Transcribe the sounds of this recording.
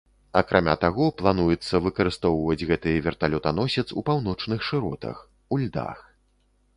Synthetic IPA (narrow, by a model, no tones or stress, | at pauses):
ɐkɾʔamʲa̰t̪aɣɔplˠan̪ujɛt̪sːɐvɨkɐɾɨst̪ɔwvɐd͡zʲɣɛt̪ɨjvʲɛrt̪alʲɔt̪anɔsʲɛt̪supawn̪ɔt͡ʂnɨxʂɨɾɔt̪ɐ̰x | ulʲd̪a̰x